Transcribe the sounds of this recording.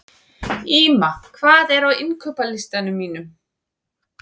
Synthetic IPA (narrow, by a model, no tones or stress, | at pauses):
iːmakʰvaːðɛɾawɪmkʰœːpalɪst̪anʏmːiːnʏm